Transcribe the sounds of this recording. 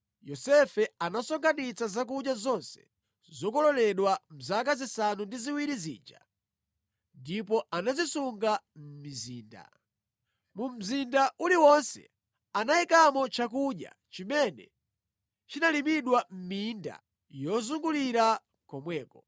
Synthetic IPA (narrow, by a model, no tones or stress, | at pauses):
jɔsɛfɛanasɔŋɡʰanit͡sazak̬uɗjazɔnsɛ̥̰ | zɔkɔlɔlɛɗwam̩zak̬azisanundiziwiɾizḭːnd͡ʒa̰ | ndipɔʔanazisuŋɡam̩miziːnda̰ | mum̩zindaʔuliwɔnsɛ̰ | anaikamɔt͡ʃakuɗja̰ | t͡ʃimɛnɛ̰ | t͡ʃinalimiɗwam̩minda̰ | jɔzuŋɡuliɾa | kɔmwɛːkɔ